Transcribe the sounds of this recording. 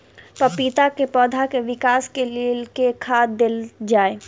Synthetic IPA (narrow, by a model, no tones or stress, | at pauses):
pɐpiːt̪akepɔːd̪ʱakeʋɪkaːskelilkekʰaːd̪ɪld͡ʒaːe